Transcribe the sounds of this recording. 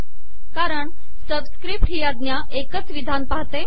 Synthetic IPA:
kaɾəɳ | səbskɾiːp̚ʈɦiːjad̪njaʔekət͡sʋid̪ʱanpaɦt̪e

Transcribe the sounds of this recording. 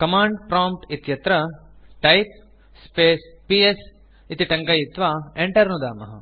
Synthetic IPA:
kɐmaːɳɖ̚pɾaːmpʈit̪jɐt̪ɾɐ | ʈɐjp̚ | speːspies | it̪iʈɐŋɡɐjit̪ʋaːeɳʈɐɾnud̪aːmɐɦɐ̰

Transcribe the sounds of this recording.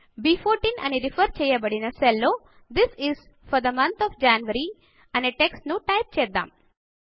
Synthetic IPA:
biːfoːɾʈĩːnã̰niɾifəɾt͡ʃejəbɐɖĩnəsɛlːoː | d̪ɪsɪz | fɔɾd̪əmɐ̃nt̪ʰɔːfd͡ʒæ̃nʋəɾi | æ̃ɳeʈeksnoːʈaɪp̚t͡ʃeːɾd̪ã̰m

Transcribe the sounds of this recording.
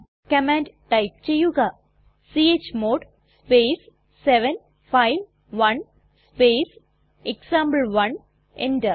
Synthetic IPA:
kɐmãːɳɖʈaɪp̚t͡ʃejːuɡa | sieːt͡ʃmoːʈ | speːsː | eʋẽn | faɪʋ | ʋɐn | speːs | eksãːmbəlʋɐn | ẽɳɖɐ

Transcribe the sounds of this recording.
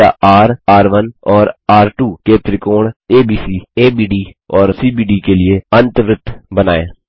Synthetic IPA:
a̰ʔaːɾaːɾʋənɔːɾaːɾʈuːkeːt̪ɾɪkoːɳeːbiːsiːeːbiːɖiː | ɔːɾsiːbiːɖiːkelɪeə̃nt̪ʋɾɪt̪ʰːbənaːḛː

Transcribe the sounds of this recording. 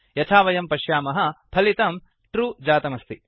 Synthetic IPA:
jɐt̪ʰaːʋɐjɐmpɐʃjaːmɐɦɐ̆pʰɐlit̪ɐm | ʈɾuːd͡ʒaːt̪ɐmɐst̪i

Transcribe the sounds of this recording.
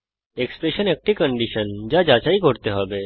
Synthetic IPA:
ekspɾeʃənek̚ʈikəɳɖiʃənd͡ʒad͡ʒat͡ʃaiɡʱoɽt̪eɦɔbe

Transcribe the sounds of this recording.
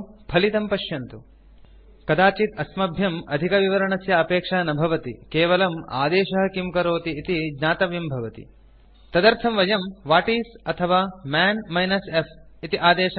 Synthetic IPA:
bʰʱɐlit̪ɐmpɐʃjɐnt̪u | kɐd̪aːt͡ʃit̪ɐsmɐbʱjɐmɐd̪ʱikɐʋiʋɐɾɐɳɐsjɐɐpeːkʂaːnɐbʱɐʋɐt̪ḭkeːʋɐlɐma̰ːd̪eːʃɐɦɐkimkɐɾoːt̪iːt̪id͡ʒɲaːt̪ɐʋjɐmbʱɐʋɐt̪ḭ | t̪ɐd̪ɐɾt̪ʰɐmʋɐjɐmʋaːʈiːsɐt̪ʰɐʋaːmaːnmɐjnɐsepʰit̪iʔaːd̪eːʃ

